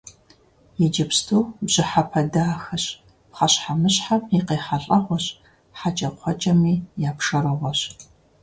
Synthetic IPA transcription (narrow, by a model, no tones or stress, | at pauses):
jɛd͡ʒɐpstʰuːbʑɪħapʰɐdaːxɐɕ | pχɐɕħamɨɕħamjiqeːħaɬʼɐʁʷɔɕ | ħat͡ʃʼɐqʷʰɔt͡ʃʼɐmiːjaːpʂɐɾɨʁʷɔɕ